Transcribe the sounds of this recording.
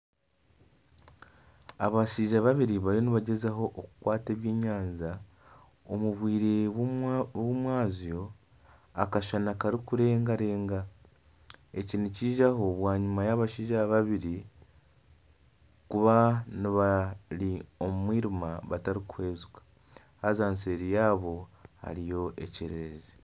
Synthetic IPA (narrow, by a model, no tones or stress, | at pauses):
aβaʃiːʒaβaβiɾiβaɾoniβaɟe̞zaɦo̞ʔokukwaːte̞ːβjeːɲaːɲza | omuβwiːɾe̞ | womwaːzjo̞ | akaʃanakaɾikuɾe̞ːŋɡaɾe̞ːŋɡa | eciniciːʒaɦo̞βwaːɲumajaβaʃiːʒaβaβiɾi | kuβaniβaliomumwiːɾimaβataɾikuhe̞ːzukḁ | hazaːnse̞ɾijaːβo̞ha̰ɾijo̞ʔe̞̰ceɾeɾeze